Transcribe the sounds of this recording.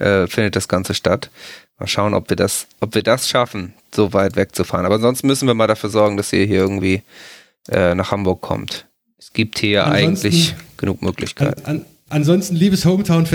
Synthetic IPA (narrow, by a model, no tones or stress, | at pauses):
ʔɛːfɪndət̚d̥asɡ̥ant͡səʃtatma̰ːlʃaʊənʔɔ̰pv̥iːɐdasʔɔpv̥iːɐdasʃafn̩ | z̥oːvaɪtv̥ɛk̚t͡sufa̰ːʁənʔabɐanzɔnstn̩mʏsn̩viːɐmaːldafyːɐzɔɐɡŋ̩d̥asḭːɐɦiːɐɪɐɡŋ̩tv̥iː | ʔɛːnaːχhambʊɐkʰːɔ̰mt | ʔɛsɡ̥iːp̚thiːɐjaʔa̰ɪɡŋntlɪçɡ̥ənuːkmø̰ːklɪ̰çkʰaaɪt | ʔanzɔnstn̩liːbəshoʊmtʰaʊnf